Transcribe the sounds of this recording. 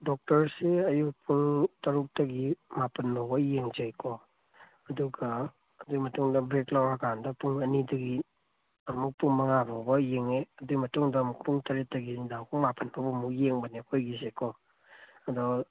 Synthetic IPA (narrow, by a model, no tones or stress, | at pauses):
dɔk̚tɐɾseɐjuk̚pʰuŋtɐɾuk̚tɐɡimapɐnbɐbɐjeŋd͡ʒajkʰɔ | ɐduɡaː | dujmɐtuŋdɐbɾeklawɾakʰandɐpuŋɐnidɐɡi | ɐmuk̚pʰuŋmɐŋababɐjeŋeɐdumɐtuŋdɐːmuk̚puŋtɐɾetɐɡindawkʰuŋmapɐnbɐbɐmuk̚jeŋbɐnekʰojɡizekʰɔ | ɐdɔ